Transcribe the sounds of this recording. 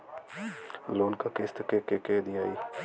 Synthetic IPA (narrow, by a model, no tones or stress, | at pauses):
loːnkaːkest̪kekekeːd̪iaːiː